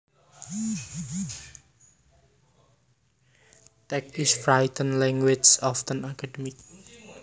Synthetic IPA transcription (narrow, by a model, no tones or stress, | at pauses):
t̪ɛk̚isfɾajt̪ənlɛŋwɪt͡ʃɔft̪ənakadəmik̚